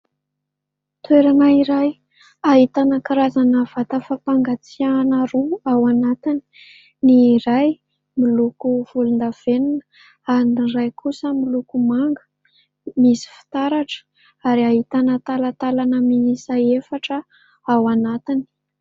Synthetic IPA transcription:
t̪weɾanaiɾaj | aɦit̪anəkiɾazanəv̥at̪əfapaŋɡat͡sianaɾuawanat̪ini̥ | niːɾaj | milukuv̥ulund̪av̥eninə̥ | anrajkʰusəmilukumaŋɡə | misi̥fi̥t̪aɾaʈ͡ʂə̥ | aɾiaɦit̪anət̪alat̪alanəmiisaefaʈ͡ʂə | awanat̪ini̥

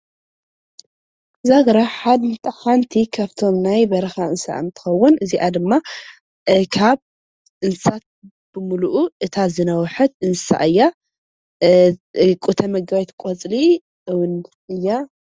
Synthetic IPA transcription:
zaɡɾaħad̪mɨt̪ʼħant̪ʰikʰaβt̪ʰo̞mnajbɐɾɐxaɨnsa̰ɨ̰nt̪ʰɨ̥xɐwːʊnɨziʔad̪ɨmːa | kʰaβ | ɨnsat̪̚ | b̥ɨmuluʔuʔɨt̪ʰazɨnɐwħɐt̪ɨnsa̰ʔɨjːa | ɨkʼut̪ʰɐmɐɡawɛt̪kʼot͡sʼli | wʊn | ɨjːa

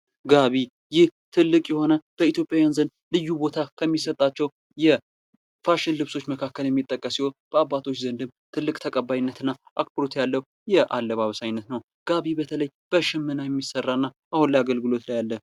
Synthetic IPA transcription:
ɡaβi | jɪht̪ʰɨlːɨkʼjɛho̞nəb̥əit̪jo̞pʼjajanzənd̪lɨjːubo̞t̪ʰakʰəmːisət̪ʼːat͡ʃːɛw | jɛ | faʃɪnlɨβso̞t͡ʃːməkʰakːəljɛmːit̪ʼːəkʼːəsihonb̥əabːat̪ʰo̞t͡ʃːzənd̪ɨmt̪ʰɨlːɨkʼt̪ʰəkʼəbːajnːət̪ɨnːaʔak̚pʰɾot̪jalːəhu | jɛʔalːəβaβəsajnːət̪nəw | ɡ̥aβibət̪ʰələj | b̥əʃɪmːɨnajɛmːisərːaɨnːa | ʔahunləaɡəlɡɨlo̞t̪lajalːə

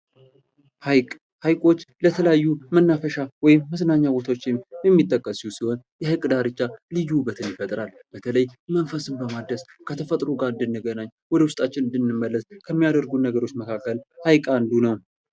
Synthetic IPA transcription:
hajkʼ | hajkʼo̞t͡ʃːlət̪ʰələjajːumənːafəʃawɔjɪmːəsnaɲːaɡot̪ʰawot͡ʃːmjɛmːit̪ʼːəkʼːəsusiho̞njɛhɨkʼd̪aɾɨt͡ʃːalɨd͡ʒubət̪ʰɨnjɪfət̪ʼɾalb̥ət̪ʰələjmənfəsɨmbəmad̪əskʰət̪ʰəfət̪ʼɾoɡaɨnd̪ɨnːɨɡənaɲːwɔd̪əwʊst̪ʼat͡ʃːɪnɨnd̪ɨnːɨmːəlːəskʰəmːijad̪əɾɡunəɡəɾo̞t͡ʃːməkʰakːəlhajkʼand̪unəw

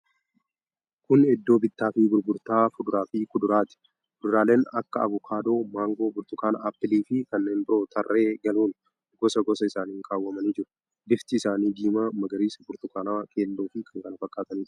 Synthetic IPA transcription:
kʊnɛd̪ːo̞ːbɪt̪ːaːfɪbʊɾbʊɾt̪aːfʊd̪ʊɾaːfɪkʊd̪ʊɾaːt̪ɪ̥ | kʊd̪ʊɾaːle̞ːnɐkːɐɐ̰bʊkʰaːd̪o̞ːmaːŋɡo̞ːbʊɾt̪ʊkaːnapːɪliːfɪkɐnːe̞ːnbɪɾo̞ːt̪ʰɐrːe̞ːɡɐluːn | ɡɔsɐɡɔsɐɪsaːniːŋkʰʼaːwːɐmɐnid͡ʒɪɾʊ̥ | bɪft̪ɪːsaːniːd̪iːmamɐɡɐɾiːsbʊɾt̪ʊkaːnaːkʼe̞ːlːoːfɪkʰɐŋkɐnɐfɐkʼːaːt̪ɐniːd͡ʒ

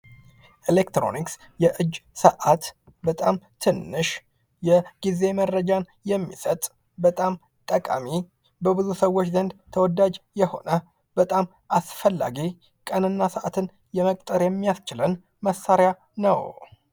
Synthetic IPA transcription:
ʔilekt̪ɾo̰niks | jɛʔɨd͡ʒːsəʔat̪ | bət̪ʼamt̪ʰɨnːɨʃ | jɛɡ̥ize̞mərːəd͡ʒan | jɛmːisət̪ʼ | bət̪ʼam | t̪ʼəkʼa̰mi | bəbɨzusəwːo̞t͡ʃːzənd̪t̪ʰəwɔd̪ad͡ʒjɛho̞̰nə | b̥ət̪ʼam | ʔasfəlːa̰ɡi | kʼənɨnːasəʔat̪ʰɨn | jɛməkʼt̪ʼəɾjɛmːijast͡ʃɪlən | məsːaɾja | nəw

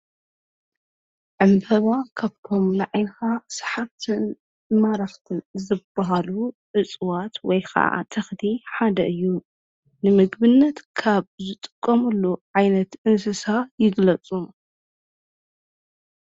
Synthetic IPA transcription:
ʕɨmbʰɐβakʰaβt̪ʰo̞mnɨʕajnxasɐ̥ħaft̪ʰɨn | mɐɾaxt̪ʰɨnzɨbaɦaluʕɨt͡sʼwat̪wɔjxʰɐ̰ʕa̰t̪ʰɐxd̪ʰiħad̪ɐʔɨjːu | nɨmɨɡbɨnːɐt̪kʰaβzɨt̪ʼɨ̥kʼːɐmulːuʕajnɐt̪ʔɨns̬ɨsajɪɡlɐt͡sʼum

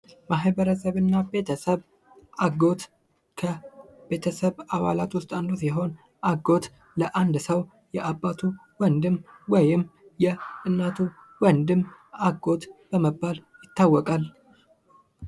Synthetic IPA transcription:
maɦβəɾəsəβɨnːabe̞t̪ʰəsəβ | ʔaɡo̞t̪ | kʰəbe̞t̪ʰəsəβaβalat̪wʊst̪ʼand̪osjɛɦo̞n | ʔaɡo̞t̪ | ləʔand̪səw | jɛʔabːat̪ʰu | wənd̪ɨmwɔjɪmːjɛʔɨnːat̪ʰuwɔnd̪ɨmaɡo̞t̪b̥əməbːaljɪt̪ːawːɔkʼal

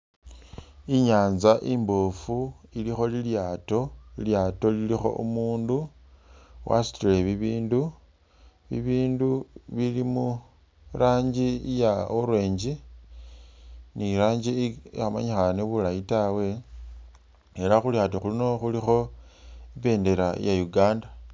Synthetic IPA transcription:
iɲaːnzaʔimbofuilixo̞liljaːto̞liljaːto̞lilixo̞̰ʔṵmuːndu | wʔa̰si̥tile̞βiβiːndu | βiβiːnduβilimu | ɾaːɲɟijaoɾwe̞ːɲɟi | niɾaːɲɟiama̰ɲixaneβulajitawe̞ | eɾaxuljaːtoxulino̞xulixo̞impe̞ːnde̞ɾa̰jajuɡaːnda

